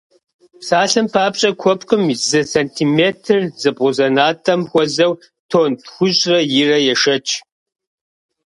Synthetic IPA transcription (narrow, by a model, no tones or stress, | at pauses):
saːɬɨmpʰaːpɕʼɐkʷʰɔpqʼɨmzɨsentʰiːmeːtʰɨrzɨbʁʊzɐnaːtʰɐmxʷɔzɐw | tʰoːntxʷʊʑrɐjɪrɐjɛʃɐt͡ʃʰʼ